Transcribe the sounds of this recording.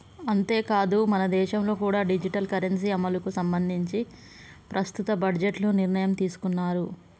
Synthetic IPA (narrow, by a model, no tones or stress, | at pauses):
ɐnt̪e̞ːkaːd̪umɐnɐd̪ɛːʃɐmlo̞ːkuːɽaːɖid͡ʒiʈɐlkɐɾɐns̬iɐmɐlukusɐmbɐnd̪ʱiɲt͡ʃi | pɾɐst̪ut̪ɐbɐɖd͡ʒeʈluniɾɳɐjɐmt̪iːsu̥kunːaːɾu